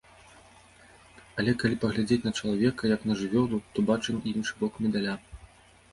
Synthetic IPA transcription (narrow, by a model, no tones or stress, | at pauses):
ɐlʲɛkalʲipɐɣlʲad͡zʲet͡sʲnɐt͡ʂɐlˠavʲɛkɐjɐknɐʐɨvʲɔd̪ut̪ɔbat͡ʂɨminʂɨbɔkmʲɛd̪alʲa